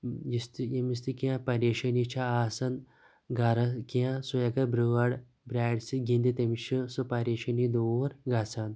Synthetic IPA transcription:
jist̪ijemis̬t̪ikiãpɐɾeːʃɐnit͡ʃʰaaːsɐn | ɡɐɾɐkiãsujɐɡɐɾbɾuʋɐɽ | bɾaːɖsiɡĩnd̪it̪ɐmiʃʰɨsupɐɾeːʃɐnid̪oɾɡasɐn

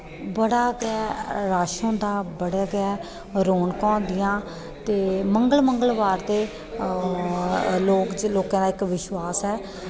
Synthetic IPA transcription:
bəɽaːɡɛːɾaːʃõːd̪aːbəɽeːɡɛː | ɾoːnkɔ̃ːnd̪ɪjãː | t̪eːməŋɡəlməŋɡəlʋaːɾd̪eː | loːkd͡ʒloːkãːd̪aːɪkʋɪʃʋaːsɛː

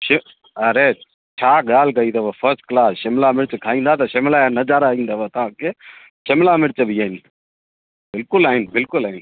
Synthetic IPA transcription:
ʃɪ | ɐɾe | t͡ʃʰaːɡaːlkɐiːt̪ɐʋopʰəɾsʈklaːsʃɪmlamɪɾt͡ʃkʰaːĩːnd̪at̪ɐʃɐmlaːnɐd͡ʒaːɾaĩːnd̪aʋot̪ɐãːke | ʃɐmlaːmɪɾt͡ʃbʱiaːɦɪn | bɪlkʊlaːɦɪnbɪlkʊlaːɦɪn

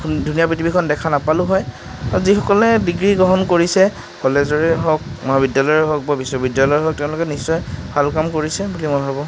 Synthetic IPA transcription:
dʱunijapɹitʰibikʰɔndɛkʰanapalʊɦɔj | aɹuzixɔkɔlɛdiɡɹiɡɔɦɔnkoɹisɛ | kʰɔlɛzɔɹɛɦɔk̚mɔɦabidjalɔjɛɦɔk̚babisobidjalɔjɦɔk̚tɛʊ̃lʊkɛnisːɔjbʱalkamkoɹisɛbulimɔjbʱabɔ

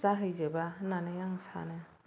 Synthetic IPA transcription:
zaɦɯjzebananejaŋsa̰nɯ

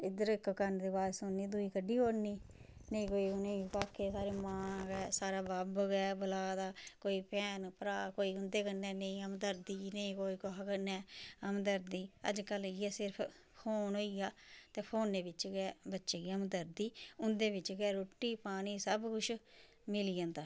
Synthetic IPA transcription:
ɪd̪əɾɪkkənd̪eːbaːɾsoːnːiːd̪uːiːkəɖːiːoːɾniːnəĩːkoːiːnẽːpaːkʰːeːsaːɾeːmãːɡɛːsaːɾaːbəbɡɛːbəlaːd̪aːkoːiːpɛːnpəɾaːkoːiːʊnd̪eːkənːɛːnəĩːəmd̪əɾd̪iːnəĩːkoːiːkoɦakənːɛːəmd̪əɾd̪iːə̰d͡ʒkəljɛːsɪɾpʰ | hʰoːnɦoːiːaːt̪eːpʰoːnːeːbɪt͡ʃɡɛːbətːʃeːɡiːəmd̪əɾd̪iːʊnd̪eːbɪt͡ʃɡɛːɾoːʈːiːpaːniːsəbkʊt͡ʃʰ | mɪliːãːnd̪aː

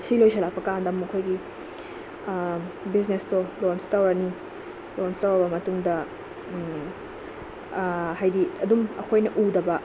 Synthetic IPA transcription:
silojsʰɐlapɐkandɐmːukʰojɡi | biz̬nestolonstɐwɾɐni | lonstɐwɐbɐmɐtuŋdɐ | hajdiɐdumɐ̰kʰojnɐʔudɐbɐ

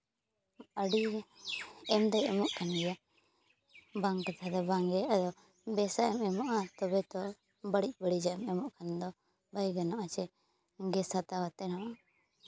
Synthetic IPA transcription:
əɖi | ɛmd̪ɔɛmɔʔkʰanɡɛja | baŋkat̪ʰad̪ɔbaŋɡɛad̪ɔ | bɛsaʔɛmɛmɔʔat̪ɔbɛt̪ɔ | bəɽic̚ˀbəɽid͡ʒaɛmɛmɔʔkand̪ɔ | bajɡanɔʔat͡ʃɛ | ɡɛsat̪awat̪ɛnɔʔa

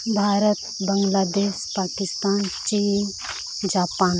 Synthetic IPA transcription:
bʱaːɾət̪bəŋɡlaːd̪eːʃpaːkɪst̪aːnt͡ʃiːn | d͡ʒaːpaːn

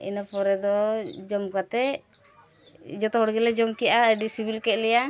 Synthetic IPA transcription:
ḭnɔpɔɾɛd̪ɔd͡ʒɔmkat̪ɛ | d͡ʒɔt̪ɔɦɔɽɡɛlɛd͡ʒɔmkijaʔaəɖisibilkɛʔ̪̚lɛja

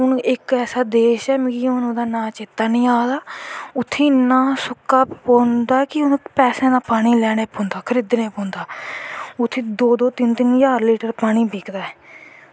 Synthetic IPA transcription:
ɦʊnɪkɛːsaːd̪eːʃɛːmɡiːʊnũːd̪aːnãːt͡ʃɪt̪ːaːnĩːaːd̪aːʊt̪ʰːĩːnaːsʊkːaːpõːnd̪aːkɪʊnũːpɛːsɛ̃ːd̪aːpaːɽ̃iːlɛːɽeːpõːnd̪aːkʰəɾɪd̪nẽːpõːnd̪aː | ʊt̪ʰːẽːd̪oːd̪oːt̪ɪnt̪ɪnjaːɾliːʈəɾpaːɽ̃iːbiːkd̪aːɛː

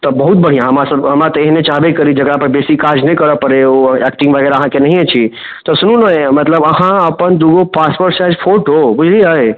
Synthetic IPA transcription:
t̪ɔbəɦut̪̚bəɽ̤ijãɦəmasəbɦəmɾat̪ɔeɦinet͡ʃaɦbekəɾid͡ʒəɡɾapəɾbesikaɾd͡ʒnəĩkəɾəpəɾeoɛkʈɪ̃ŋɡʋʱəɡɛːɾaəɦãkenəɦĩet͡ʃʰi | t̪ɔsunũnəjmət̪ləbəɦãəpənd̪uɡopaspəʈsad͡ʒpʰoʈobud͡ʒʱliəj

